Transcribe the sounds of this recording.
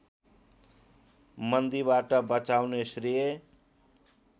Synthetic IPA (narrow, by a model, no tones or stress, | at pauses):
mʌnd̪ibaʈʌbʌt͡sawnesrije